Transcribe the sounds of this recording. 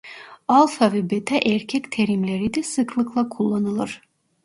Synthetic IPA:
ɑlˠfɑvɛbet̪ʰɛʔeɾkʲʰɛkʲt̪ʰeɾimlʲeɾid̪ɛsɯklˠɯklˠɑkʰulˠːɑnɯlˠɯɾ̥

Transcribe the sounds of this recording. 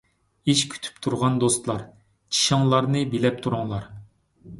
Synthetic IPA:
iʃkʲʰy̥t̪ʰy̥pt̪ʰuɾʁɑnd̪ost̪lˠɑɾ | t͡ʃʰi̥ʃɑŋlˠɑɾnɨbelɛp̚t̪ʰuɾʊŋlˠɑɾ

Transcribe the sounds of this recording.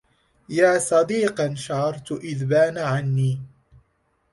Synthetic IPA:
jaːsˤɑd̪iːqɑnʃaʕɑɾˤt̪ʊʔɪðbaːnaʕanːiː

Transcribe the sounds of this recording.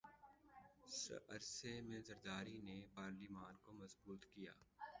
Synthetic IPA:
sɐ̰ɾsemẽzɐɾd̪aːɾinepaːɾlimaːnkomɐzbuːt̪kija̰ː

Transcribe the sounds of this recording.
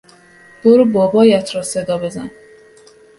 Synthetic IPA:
b̥oɾubɒːbɒːjæt̪ʰɾɒːsed̪ɒːbe̞zæ̰n

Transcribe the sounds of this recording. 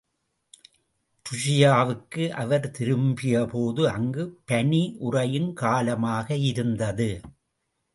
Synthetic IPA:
t̪ʊʂɪjaːʋɯkːɯʔɐʋɐɾt̪ɪɾɯmbɪjɐpoːðɯɐŋɡɯpɐniʔʊrɐjɪnkaːlɐmaːɣɐɪɾɯnd̪ɐðɯ

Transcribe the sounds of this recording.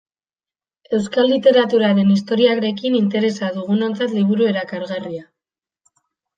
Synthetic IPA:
e̞wskalːit̪e̞ɾat̪uɾaɾe̞nist̪o̞ɾiakɾe̞kinint̪e̞ɾe̞saðuɣ̞uno̞nt͡sat̪liβ̞uɾue̞ɾakaɾɣaria

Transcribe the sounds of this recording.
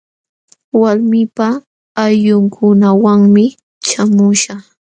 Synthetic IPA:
waɾmɪpaː | jʎʊŋkʰʊnawaŋmɪ | t͡ʃamʊʃa

